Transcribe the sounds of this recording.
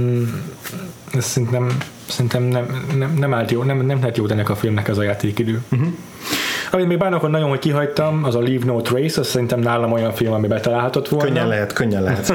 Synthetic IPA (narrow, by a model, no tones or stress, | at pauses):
ɛsːɛɾint̪ɛm | sɛɾint̪ɛmnɛmnɛmnɛmaːlt̪joːnɛmnɛmlɛɦɛt̪joːt̪ɛnːɛkɒfilmnɛkɛzɒjaːt̪eːkid̪øːɦ | ɒmit̪meːɡbaːrnokonnɒɟo̞nɦockiɦɒjt̪ɒmɒzɒliːvnoːt̪rejsɒsːɛɾint̪ɛmnaːlɒmo̞jɒɱfilmɒmibɛlt̪ɒlaːlɦɒt̪o̞t̪ʋo̞lk̪nønɲːɛnlɛɦɛt̪køɲːɛlɛɦɛt̪